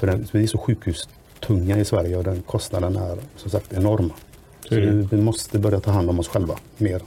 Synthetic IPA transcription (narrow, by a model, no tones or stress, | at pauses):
fœɖɛnvɪæɾʂɔɧʉ̟ːkhʉːs | t̪ʰɵŋːaɪsvæɾjəɔd̪ɛnkʰɔst̪nad̪ənæɾsɔmsak̚t̪ɛnɔɾm | ssɔvɪvɪmɔst̪əbœɾjat̪ʰɑːɦand̪ɔmɔsɧɛlva | meːɾ